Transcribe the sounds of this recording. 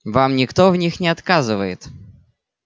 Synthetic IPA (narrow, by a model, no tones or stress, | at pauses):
vamnʲɪkt̪ovnʲixnʲɪɐt̪kazɨvəjɪt̪